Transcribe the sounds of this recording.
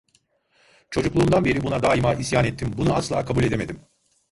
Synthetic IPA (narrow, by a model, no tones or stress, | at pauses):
t͡ʃʰo̞d͡ʒuklˠuːmd̪anbe̞ɾibunad̪aːimaʔisjaːnɛt̪ʰːimbunuaslˠa̰ːkʰabulʲe̞d̪e̞me̞d̪im